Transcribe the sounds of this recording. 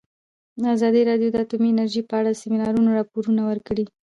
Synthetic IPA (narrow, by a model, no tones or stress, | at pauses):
d̪əazɑd̪iɾɑɖijod̪əat̪umiɪnaɾʒipəaɽaəsɪmɪnɑɾunoɾɑpoɾunawəɾkɽi